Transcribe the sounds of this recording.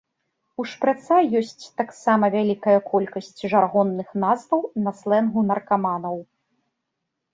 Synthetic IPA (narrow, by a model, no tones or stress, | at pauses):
uʂpɾat̪sajɔsʲt͡sʲt̪aksamɐvʲalʲikɐjɐkʰɔlʲkɐsʲt͡sʲʐarɣɔnːɨxnazvɐwnɐslˠɛnɣunɐrkamanɐw